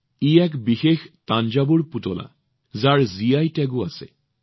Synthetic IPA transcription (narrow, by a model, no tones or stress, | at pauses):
iɛkbixextand͡ʒabuɹputɔla̰ | zaɹziajtɛɡʊasɛ̰